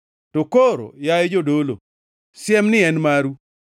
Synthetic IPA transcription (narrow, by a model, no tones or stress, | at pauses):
tokoɾo̰jaed͡ʒodolo̰ | sjɛmnɪɛnmaɾu